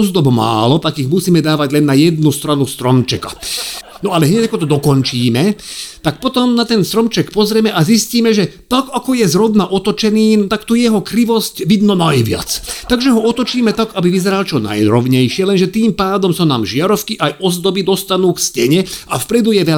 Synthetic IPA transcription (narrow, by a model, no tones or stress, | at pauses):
ɔzd̪ɔbma̰ːlɔt̪akiɣmusiːmɛd̪aːʋaɟlɛnːajɛd̪nust̪ɾanust̪ɾɔmt͡ʃɛka̰ | nɔalɛɦɲɛcakɔt̪ɔd̪ɔkɔnt͡ʃiːmɛt̪ak̚pɔt̪ɔmnat̪ɛnst̪ɾɔmt͡ʃɛkpɔzɾɛmɛʔazisciːmɛʒɛt̪akakɔjɛzɾɔbnaʔɔt̪ɔt͡ʃɛniːnt̪akt̪ujɛɦɔkɾiʋɔscʋid̪nɔnajʋɪa̰t͡st̪aɡʒɛɦɔɔt̪ɔt͡ʃiːmɛt̪akabiʋizɛɾalt͡ʃɔna̰jɾɔʊɲɛjʃɪɛlɛnʒɛt̪iːmpaːd̪ɔmsanaːmʒɪaɾɔfkiʔajʔɔzd̪ɔbid̪ɔst̪anuːkscɛɲɛʔafpɾɛd̪ujɛʋɛl